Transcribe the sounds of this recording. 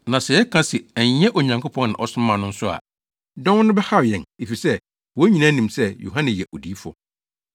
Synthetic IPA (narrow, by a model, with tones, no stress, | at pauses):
nã˨sɛ˨jɛ˦kʰã˦sɛ˨æ˨ɲ˨˦ɛ̃˦ʔɔ˨ɲã˨ŋkʰo˦pʰɔ̃˦n˦nɪ̃˨ʔɔ˨sʊ̃˦mã˨nʊ̃˦n̩˦sʊ˦a̰˨ | dɔ̃˦n˦nʊ̃˦bɛ˦ha˦˨jɛ̃˨ne˨fi˨sɛ˦˨ | wɔ˨˦ɲĩ˨nã˦nĩ˨msɛ˦jo̰˨ɦã˦nɪ̃˨jɛ˨ʔɔ˨di˨˦fʊ˨˦ɔ̰˦